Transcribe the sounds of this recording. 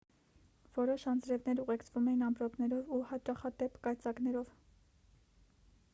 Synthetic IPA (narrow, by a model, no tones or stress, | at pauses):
v̥ɔɾɔʃɑnd͡zɾɛvnɛɾuʁɛkt͡sʰvumɛjinɑmpɾɔpnɛɾɔvuhɑt͡ʃɑχɑt̪ɛpkɑjt͡sɑknɛɾɔv